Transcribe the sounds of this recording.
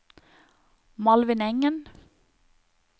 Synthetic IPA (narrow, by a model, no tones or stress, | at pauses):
mɑlʋɪnɛŋən